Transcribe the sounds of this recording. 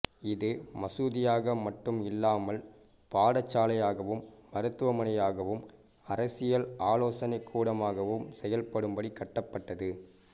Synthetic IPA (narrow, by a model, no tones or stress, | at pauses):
ɪðɯmɐsuːðɪjaːɣɐmɐʈːɯmɪlːaːmɐl | paːɽɐt͡ʃːaːlɐjaːɣɐʋɯmʋɐɾɯt̪ːɯʋɐmɐnɐjaːɣɐʋɯm | ɐɾɐsɪjɐlaːloːsɐnɐɪkʰːuːɽɐmaːɣɐʋɯmsɛjɐlpɐɽɯmbɐɽikːɐʈːɐpːɐʈːɐðɯ